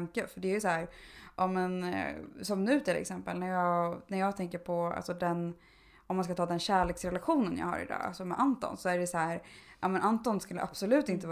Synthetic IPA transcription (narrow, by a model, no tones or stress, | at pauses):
ŋkəfœɖɛæɾjɵsæːɾʔɔmɛnsɔmnʉ̟ːt̪ʰɪlɛ̰ksɛmpəlnæɾjɑːɡnæɾjɑːɡt̪ʰɛŋkəɾpʰɔa̰lsɔd̪ɛn | ɔmːanskat̪ʰɑːd̪ɛnɕæːɭeːksɾɛlaɧuːnənjɑ̰ːha̰ɾɪ̰d̪ɑ̰ːa̰lsɔmɛʔant̪ɔ̰nsɔæɖɛsæːɾʔaːmɛnʔant̪ɔnskɵlːə̰ʔapsɔlʉ̟ːt̪ɪnt̪ə